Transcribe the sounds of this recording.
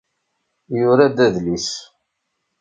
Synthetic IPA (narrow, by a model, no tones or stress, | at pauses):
jʊɾad̪æðlis